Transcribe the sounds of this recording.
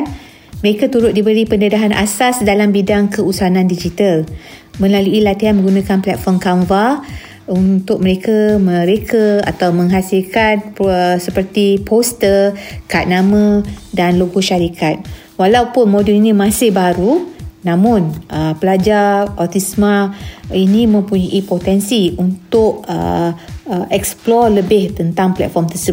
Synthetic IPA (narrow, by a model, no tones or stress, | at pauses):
n | məɾekat̪uɾʊt̪̚dibəɾipənədaɦanʔa̰sasdalambidaŋkəusanandid͡ʒit̪al | mə̃nlaluilat̪iɦanmə̃ŋɡunãkanplɛt̪̚fɔmkamva | unt̪ʊk̚məɾekaməɾekʰaa̰t̪awmə̃ŋɦasilkat̪̚əsəpərt̪ipʰost̪əkat̪̚namə̃danloɡoʃaɾikʰat̪̚ | walawpʊnmodɛlinĩmãsɪhbaɾunãmʊnʔəpəlad͡ʒarɔt̪ismãinĩmə̃mpuɲaʔipot̪ɛnsiunt̪ʊʔ̚ə̰ | ɛksplɔrləbɪht̪ənt̪aŋplɛ̰t̪̚fɔmt̪əsəb